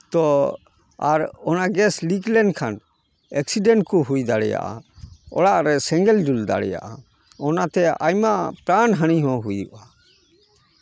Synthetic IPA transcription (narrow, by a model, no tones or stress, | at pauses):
t̪ɔ | aɾɔnaɡɛsliklɛnkʰan | ɛksiɖɛɳʈ̚kuɦujd̪aɽɛja̰ʔa̰ɔ̰ɽaʔɾɛsɛŋɡɛld͡ʒuld̪a̰ɽɛ̰ja̰ʔa | ɔnat̪ɛa̰jmaʔpɾanɦaɽ̃iɦɔ̃ɦujuʔa